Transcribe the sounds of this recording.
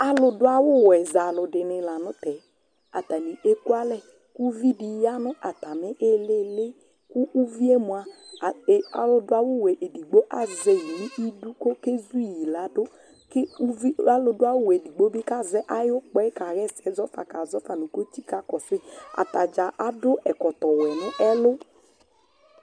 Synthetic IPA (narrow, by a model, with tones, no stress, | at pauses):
a˦lʊ˧dʊ˦a˦wʊ˦˨wɛ˨za˨lʊ˨dɪ˨nɪ˨la˨nʊ˦tɛ˨ | a˨ta˨ni˨ʔe˦ku˦a˦lɛ˦ | ku˦vi˦di˨˦ja˦nʊ˦ʔa˨ta˨mɪ˦ʔe˦le˦lɪ˦ | ku˦ʔu˦vi˦e˦mu˨a˨ | a̰˨lʊ˦dʊ˦a˦wʊ˦˨wɛ˨ʔe˨di˨ɡ͡bo˦ʔa˦zɛ˨ji˨ni˦ʔi˦du˦ko˦ke˦zu˦˨ji˨la˨˦dʊ˦ | kɪ˦i˦a˦lʊ˨˦dʊ˦a˦wʊ˦wɛ˨di˨ɡ͡bo˦bɪ˦ka˦˨zɛ˦ʔa˦jʊ˦k͡pɛ˦ka˨ɣɛ˦sɛ˨zɔ˦fa̰˨ka˨zɔ˦fa˨nʊ˨ko˦t͡ʃi˦ka˨kɔ˨sɪ˦a̰˨ta˨d͡ʒa˨ʔa˦dʊ˦ʔɛ˨kɔ˨tɔ˨wɛ˨nɪ˦ʔɛ˦lʊ˦